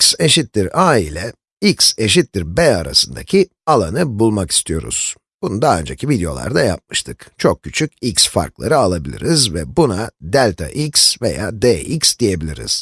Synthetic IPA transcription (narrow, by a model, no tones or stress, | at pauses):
icse̞ʃit̪ːiɾaːilʲɛ | ikse̞ʃit̪ːiɾbeaɾa̰sɯnd̪acʰi | alˠanɯbulˠmaki̥st̪ʰijo̞ɾṵz̥ | b̥unund̪aɦːø̞nd͡ʒecʰivid̪ejo̞lˠa̰ɾd̪ajap̚mɯʃt̪ʰɯkt͡ʃʰo̞k̚cʰyt͡ʃʰycʲicsfa̰ɾklˠa̰ɾɯalˠabilʲḭɾizvɛbunad̪ælʲt̪ʰa̰ʔiksve̞̰ja̰ːd̪eːiksd̪ije̞bilʲḭɾḭz̥